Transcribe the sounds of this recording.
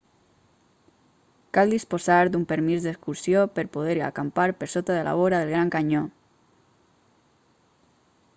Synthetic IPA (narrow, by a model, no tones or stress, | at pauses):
kalˠd̪ispozaɾd̪umpəɾmizðeskuɾsjopəɾpoð̞eɾia̰kampaɾpəɾsot̪aðela̰βoɾaðelˠɣ̞ɾaŋkaɲo